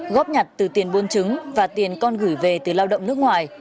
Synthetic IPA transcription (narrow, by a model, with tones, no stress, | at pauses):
ɣɔ˦˥p̚ɲa˨˩t̚t̪ɨ˨˩t̪i˨˩ənɓo˧nt͡ɕɨ˨˦ŋvaː˨˩t̪i˨˩ənkɔ˧nɣɨ˧˩jve˨˩t̪ɨ˨˩laː˧wɗə̰˧˨wŋ͡mnɨ˦˥ək̚ŋwaː˨˩j